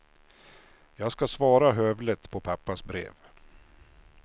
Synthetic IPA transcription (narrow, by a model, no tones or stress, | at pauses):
jɑːɡskasvɑːɾaɦœvlət̪pʰɔpʰapːasbɾḛːv